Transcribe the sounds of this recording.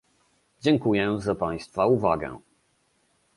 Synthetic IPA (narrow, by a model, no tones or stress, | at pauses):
d͡ʑɛŋkujɛzapaj̃st̪fauvaɡɛ̰̃